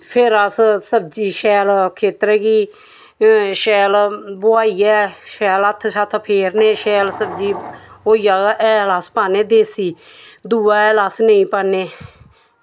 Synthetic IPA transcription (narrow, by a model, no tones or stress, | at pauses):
pʰɪɾəssəb̚d͡ʒiːʃɛːlkʰeːt̪ɾɛːɡiː | ʃɛːlbʊaːiːɛːʃɛːlət̪ʰʃat̪ʰpʰeːɾneːʃɛːlsəbd͡ʒiːoːijaːʔɛːlaːspaːneːd̪eːsiː | d̪uːaːɛːlaːsnəĩːpaːneː